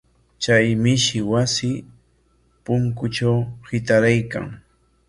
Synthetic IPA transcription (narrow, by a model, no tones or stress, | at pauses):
t͡ʃajmɪʃɪwasɪ | pʊŋkʊʈ͡ʂawhɪt̪aɾajka̰ŋ